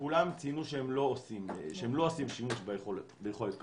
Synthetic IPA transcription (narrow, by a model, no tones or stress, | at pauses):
kulamt͡sinuʃehemlo̞osimʃeemlo̞osimʃimuʃbejeχoletbejeχo̞let̪̚k